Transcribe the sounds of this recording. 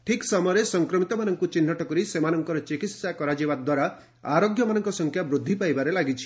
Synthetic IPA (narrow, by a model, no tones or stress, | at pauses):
ʈʰiksɔmɔjɾesɔŋkɾɔmit̪ɔmanɔŋkut͡ʃinːɔʈɔkɔɾisemanɔŋkɔɾɔt͡ʃikit̪sakɔɾad͡ʒibad̪waɾa | aɾoɡjɔmanɔŋkɔsɔŋkʰjabɾud̪ʱːipajbaɾelaɡit͡ʃʰi̥